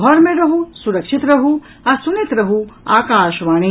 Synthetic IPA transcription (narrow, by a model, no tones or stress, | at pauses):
ɦɔɾmeɾɐɦusuɾɐkʃit̪ɾɐɦu | ɐsunit̪ɾɐɦuaːkaːʃʋaːñi